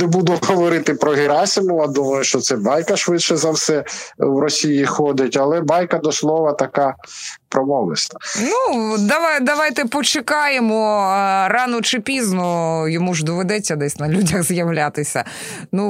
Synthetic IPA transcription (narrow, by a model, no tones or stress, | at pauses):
nɛbud̪ʊɦɔʋɔɾɪt̪ɪpɾɔɦɪɾɑsʲɪmʊjad̪umɐjʊʃt͡ʃɔt̪sɛbɑjkɐʃʋɪtʃɛzɐwsɛwɾɔsʲijixɔd̪ɪtʲɐlˠɛbɑjkɐd̪ɔslˠɔʋɐt̪ɐkɑpɾɔmɔʋlˠɪ̰sʲt̪ɐnnud̪ɐʋɑjd̪ɐʋɑjt̪ɛpɔt͡ʃɪkɑjemɔrɑnɔt͡ʃɪpʲiznɔjɔmuʒd̪ɔʋed̪ɛt͡sʲːɐd̪ɛsʲnɐlʲudʲɐɣzjɐwlʲat̪ɪsʲɐ | nu